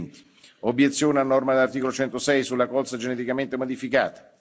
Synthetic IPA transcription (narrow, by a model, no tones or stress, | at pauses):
nt̪i̥ | objet̪sːjoːneanːɔrmad̪elart̪ikolot͡ʃɛnt̪osɛjsulːakɔlsad͡ʒenet̪ikament̪emod̪ifika̰ːt̪ḁ